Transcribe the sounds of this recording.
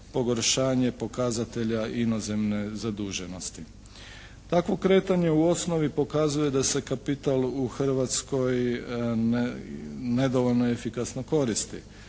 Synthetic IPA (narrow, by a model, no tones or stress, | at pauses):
po̞ɡo̞ɾʃaːɲe̞po̞kazat̪e̞ʎaʔino̞ze̞mne̞zad̪uːʒe̞no̞st̪i | t̪akʋo̞kɾe̞ːt̪aɲe̞uo̞sno̞ʋipo̞kazuje̞d̪ase̞kapit̪aluxr̩ʋat̪sko̞j | ne̞d̪o̞ʋo̞ʎno̞efikasno̞ko̞ɾist̪ḭ